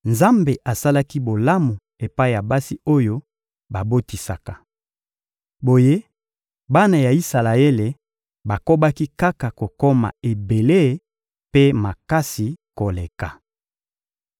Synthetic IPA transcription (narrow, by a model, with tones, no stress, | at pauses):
nza˦mbe˨ʔa˨sa˦la˦ki˦bo˨la˦mo˨ | e˨pa˦i˨ja˨ba˦si˦o˦jo˦ | ba˨bo˦ti˨sa˨ka˨ | bo˨je˦ | ba˦na˨ja˨i˦sa˨la˨e˦le˨ | ba˨ko˦ba˦ki˦ka˦ka˨ko˨ko˦ma̰˨e˨be˨le˦˨ | pe˦ma˨ka˦si˨ko˨le˨ka˨